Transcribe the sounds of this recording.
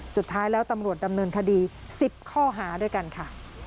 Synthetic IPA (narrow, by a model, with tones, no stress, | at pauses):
su˨˩t̪ʰːaː˦˥jlɛː˦˥wt̪a˧mɾu˨˩ət̪̚da˧mnɤː˧nkʰa˧diː˧si˨˩p̚kʰɔː˥˩ɦaː˩˦du˥˩əjka˧nkʰa˥˩